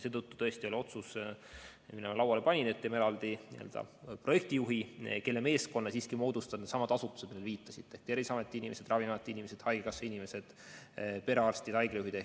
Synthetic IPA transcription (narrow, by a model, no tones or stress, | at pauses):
seːt̪ɤt̪ːu̥t̪ɤ̞est̪io̞lʲio̞t̪sus | minemɑlɑwɑlepɑnʲinet̪ːemeɾɑld̪̥inḭø̰ld̪̥ɑ̰pro̞je̞k̚t̪ijuɦike̞lːeme̞ːsko̞nːɑsiːskimo̞ːd̪ust̪ɑd̪net̪sɑmɑd̪̥ɑsut̪ːˑuse̥milːeviːt̪ˑːɑsit̪ːˑehk̚t̪eɾvisɑme̞t̪ːˑiinime̞se̞d̪̥rɑvinɑmet̪ːˑiinimese̞d̪̥hɑjɡeɡɑsːeinime̞se̞d̪̥ | pe̞ɾeɑrst̪id̪̥hɑjɡ̥lejuɦid̪̥e